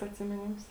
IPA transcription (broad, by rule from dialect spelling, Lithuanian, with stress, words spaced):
ɐtʲsʲɪmʲɪˈnʲɪms